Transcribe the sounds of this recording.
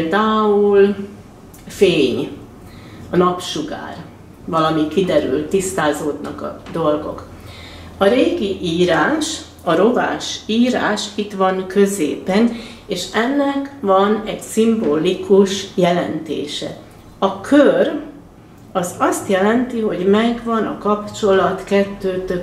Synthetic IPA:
ld̪aːul | feːɲ | ɒnɒpʃuɡa̰ːr | vɒlɒmikid̪ɛɾy̰lt̪ːist̪aːzoːd̪nɒkɒ̰d̪o̞lɡo̰k | ɒɾeːɡiʔiːɾaːʃ | ɒɾo̞va̰ːʃiːɾa̰ːʃit̪ʋɒnkʰø̞zḛːpɛneːʃɛnːɛkʋɒnɛɟsimboːlikuʃjɛlɛ̰nt̪ḛːʃɛ̰ | ɒkʰør | ɒzɒst̪jɛlɛnt̪iɦo̞ɟmɛɡʋɒnɒkɒpt͡ʃo̞lɒt̪kɛt̪ːøːt̪øb

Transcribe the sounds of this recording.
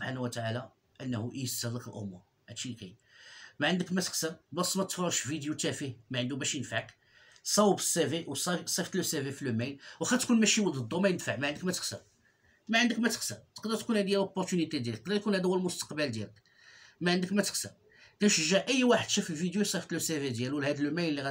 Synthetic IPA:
səbħanæwət̪aʕalæ | ʔənːhuʔjəst̪ːæd̪əklʔo̰mːʊ | ʕæd̪ʃilkæ̰j | mæʕənd̪əkmæt̪ə̥xsəɾbɑsˤːmæt̪fʕuʃvid̪jut̪æfihmæʕənd̪ubæʃjənfaʕk | sˤɑwbəsːæviwsˤɑsˤift̪læsævifilumæjnwxæt̪kunmæʃiwəd̪əd̪ːumæjənfaʕmæʕənd̪əkmæt̪ə̥xsə̰ɾ | mæʕənd̪əkmæt̪ə̥xsəɾt̪ə̥qd̪əɾt̪kunhæd̪jælopːoɾt̪ynit̪ed̪jælət̪əqd̪əɾt̪kunhæd̪æwːælmʊst̪ɑ̥qbəld̪jælək | mæʕənd̪əkmæt̪ə̥xsə̰ɾ | kæʃʒæʔəjːwaħəd̪ʃæfəlvid̪jusˤift̪lusæved̪jælwəlhæd̪əlːmæjnəlːiɣæ

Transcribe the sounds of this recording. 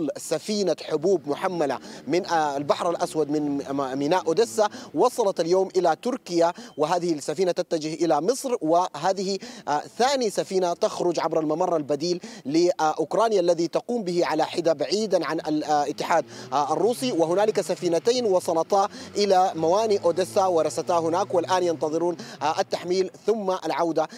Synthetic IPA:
lsafiːnaħʊbuːbmʊħamːalamɪnalbaħɾalʔaswad̪mɪnmɪnaːʔʊd̪ɪsːawɑsˤɑlɑt̪aljoːmʔɪlat̪ʊɾkɪjawɪɦaːðɪhisːafiːnat̪at̪ːad͡ʒɪhʔɪlamɨsˤɾwɪɦaːðɪhiθaːnisafiːnat̪axɾʊd͡ʒʕabɾalmamɑrˤːɑlbad̪iːlːɪʔʊkɾˤɑːnjaʔlːaðit̪ɑquːmbɪhiʕalaħɪd̪abaʕiːd̪anʕanʔalɪt̪ːɪħaːd̪arˤːuːsiwɪɦʊnaːlɪkasafiːnat̪aːnwɑsˤɑlɑt̪aːʔɪlamawaːniʔoːd̪ɪsːawɪɾˤɑsat̪aːɦʊnaːkwɪlʔaːnjɑnt̪ɑðˤɨɾuːnʔat̪ːaħmiːlθʊmːaʔalʕawd̪a

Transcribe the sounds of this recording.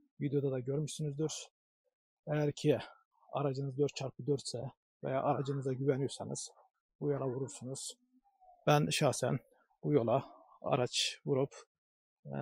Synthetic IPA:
vid̪ejo̞d̪ɑd̪ɑɟøɾmyʃsynyzd̪yɾ̥ | ɛjæɾcʰi | ɑ̰ɾɑd͡ʒɯnɯzd̪øɾt̪̚t͡ʃʰɑɾpʰɯd̪øɾt̪sɛ | vɛ̰ja̰ːʔɑɾɑd͡ʒɯnɯzaɟyvænyjɾsɑnɯz̥ | bujolˠɑvuɾuɾsunuz̥ | b̥ænʃɑxsæ̰n | b̥ujo̞lˠɑ | ɑ̰ɾɑt͡ʃvuɾup

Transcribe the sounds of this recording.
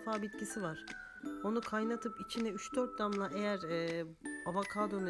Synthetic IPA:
faːbit̪cisivaɾ̥ | o̞nukʰajnat̪ʰɯpit͡ʃʰinɛyt͡ʃd̪øɾt̪̚d̪amlˠaʔejæɾɛːavakʰaːd̪øn

